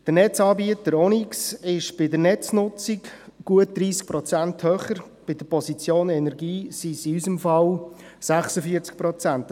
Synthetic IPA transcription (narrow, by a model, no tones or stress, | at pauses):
d̥əɾnɛt͡sɑːbiət̪əɾɔniksɪʃb̥ɪdəɾnɛt͡snʊt͡sikɡ̥uət̚d̪̥ɾiːsk̚pɾɔt͡sænthøːχəɾ | b̥ɪd̥̪əɾpɔsit͡sjoːnɛnɛɾɡiːsisiysəmfɑw | sæχsəfiəɾt͡sk̚pɾɔt͡sænt